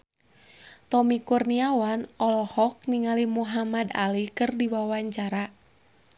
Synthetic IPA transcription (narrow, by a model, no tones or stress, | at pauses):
t̪ɔmikurniawanɔlɔhɔk̚niŋalimuɦamada̰likɨrdiwawaɲt͡ʃaɾa